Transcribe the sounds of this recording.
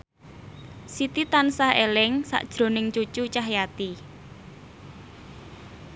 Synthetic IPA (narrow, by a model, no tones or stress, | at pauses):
sit̪it̪ansahelɪŋsa̰ʔd̥ʒ̥ɾo̤nɪŋt͡ʃut͡ʃut͡ʃaɦjat̪i